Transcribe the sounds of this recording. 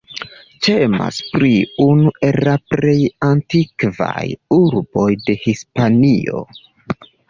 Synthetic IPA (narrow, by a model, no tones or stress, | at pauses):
t͡ʃe̞ma̰spɾiunuʔe̞lapɾe̞jantikva̰juɾbo̞jde̞hispanio̞̰